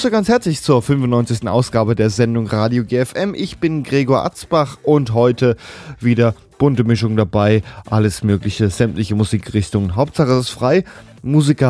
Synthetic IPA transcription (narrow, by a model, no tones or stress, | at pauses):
soɡant͡shɛɐt͡slɪçt͡suːɐfʏnfʊntnɔʏnt͡sɪçstn̩ʔa̰ʊsɡ̥aːbədeːɐzɛndʊŋʁaːdjoɡeːɛfʔɛmʔɪçb̥ɪnɡʁeːɡoɐʔa̰t͡sb̥aχʔʊntɦɔʏtəviːdɐ | b̥ʊntəmɪʃʊŋdabaɪʔaləsmøːklɪçəzɛmtlɪçəmuziːkʁɪçtʊŋənɦaʊp̚tz̥aχə̥asfʁ̥aɪ | muːzikɐ